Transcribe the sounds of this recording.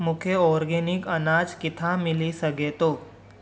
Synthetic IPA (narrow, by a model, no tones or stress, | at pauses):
mʊkʰjeɔːɾɡeːnɪkɐnaːd͡ʒkɪt̪ʰamɪlisəɡeːt̪oː